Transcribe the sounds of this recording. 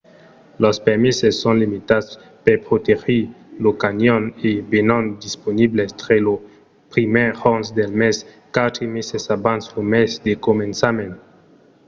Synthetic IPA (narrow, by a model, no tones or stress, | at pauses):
lospeɾmisesːõnlimit̪as | pepɾot̪exi | lokanjonebenɔnd̪isponiblest̪ɾelo | pɾimeʁɔnsd̪elmes | kat̪ɾimesesabansomesd̪ekomẽnsamẽn